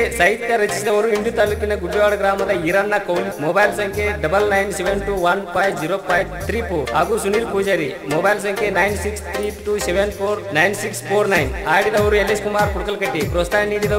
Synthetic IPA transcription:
sɐɦit̪jɐɾɐt͡ʃisid̪ɐʋɐɾuiɳɖut̪aːlukinɐɡuʈːuʋaːɽɐɡɾaːmɐd̪ɐiɾɐnːɐkowmmobɐjlsɐŋkʰeɖɐbɐlnɐjnseʋenʈuʋɐnpaːjʋd͡ʒiɾopʰajʋt̪ɾiːpoɾɦaːɡusuniːɾpuːd͡ʒɐɾi | mobɐjls̬ɐŋkʰenɐjnsikst̪ʰɾiːʈuːseʋenpʰoːɾnɐjnsikspʰoːɾnɐjnaːɽid̪ɐʋɐɾueleskumaːɾpuɽkɐlkɐʈːipɾoːst̪aːniːd̪id̪ɐ

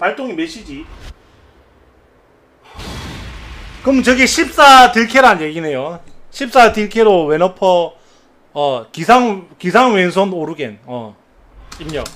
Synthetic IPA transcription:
paɭt͈oŋimeɕʰid͡ʑi | kɯmnt͡ɕʌɡiɕʰip̚s͈atiɭkʰeɾanjeɡine̞joɕʰip̚s͈atiɭkʰeɾowenʌpʰʌː | kisʰaŋkisʰaŋwensʰonoɾuɡenʌ | imɲʌ̰

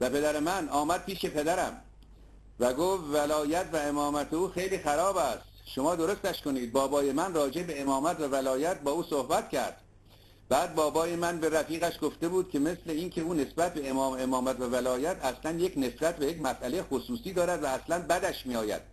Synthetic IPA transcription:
væpe̞d̪æɾemænɒːmæd̪̚piːʃe̞pʰe̞d̪æɾæ̰m | væɡofvælɒːjæt̪ʰvæe̞mɒːmæt̪ʰe̞uːxe̞jliːxæɾɒːbæst̪ʃo̞mɒːd̪o̞ɾo̞st̪æʃko̞niːd̪̚bɒːbɒːje̞mænrɒːd͡ʒe̞be̞emɒːmæt̪vævælɒːjæt̪̚bɒːuːsohbæt̪cʰæ̰ɾd̪̥ | b̥æːd̪̚bɒːbɒːje̞mænbe̞ɾæfiːɣæʃɡo̞ft̪e̞buːd̪̥cʰʲe̞me̞sleincʰe̞uːne̞sbæt̪̚be̞emɒːmemɒːmæt̪vævælɒːjæt̪ʰæslænje̞cne̞sbæt̪̚bejecmæsʔælejexosuːsiːd̪ɒːɾæd̪væːslænbæd̪æʃmiːɒːjæ̰d̪̥

